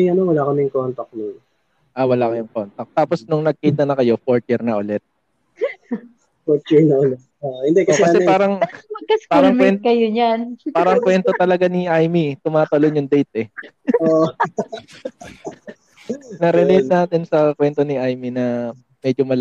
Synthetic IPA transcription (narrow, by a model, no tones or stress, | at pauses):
ɐnowɐlaːkɐmɪŋkont̪ɐk̚nʊŋ | ʔawɐlakɐjʊŋkont̪ɐk̚t̪aːposnʊŋnɐɡ̚kiːt̪ɐnɐkɐjo̞foɹt̪̚ɪɾnɐʔʊlɛt̪̚ | foɾt̪jiɹnɐʔʊlɛt̪̚oʔhɪnd̪ɛkɐɛkɐɛpaːɾɐŋmɐɡ̚kɐskpaːɾɐŋmwɛnkɐjoɲanpaːɾɐŋkwɛnt̪ot̪ɐlɐɡaniʔajmit̪ʊmaːt̪ɐlonjʊŋd̪ɛjt̪̚ɛoʔ | nɐɾɛlejt̪̚naːt̪ɪnsɐkwɛnt̪o̞nɪʔajminɐ | mɛd͡ʒomɐl